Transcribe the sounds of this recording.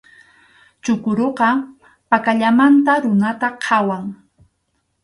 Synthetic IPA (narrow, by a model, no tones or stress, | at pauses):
t͡ʃʊkʊɾoqɑ | pakaʎamant̪aɾʊnat̪aqʰɑwaŋ